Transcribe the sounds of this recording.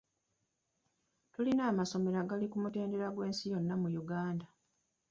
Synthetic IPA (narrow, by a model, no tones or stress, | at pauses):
tulinaːmaso̞me̞ɾaɡalikumute̞ːnde̞ɾaɡwe̞ːnsijo̞nːamujuɡaːnda